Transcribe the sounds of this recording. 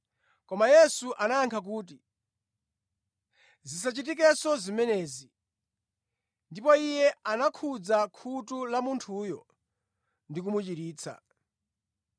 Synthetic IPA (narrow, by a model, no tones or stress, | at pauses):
kɔmajɛsuʔanajaŋkʰak̬uːt̬i | zis̬at͡ʃit̬ik̬ɛsɔzimɛnɛːzi | ndipɔijɛanakʰud͡zakʰutulamuntʰujɔ | ndik̬umut͡ʃiɾiːt͡sʰa̰